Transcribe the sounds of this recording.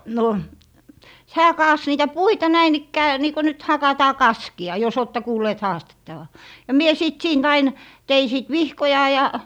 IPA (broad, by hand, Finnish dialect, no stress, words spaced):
no hæː kɑːs niːtæ puitɑ næin ikːæː niːko nyt hɑkɑtɑː kɑskiɑ jos oːtːɛ kuːlːeːt hɑːstetːɑʋɑ jɑ mie sit siːnt ɑin tei siˑt ʋihkojɑ jɑ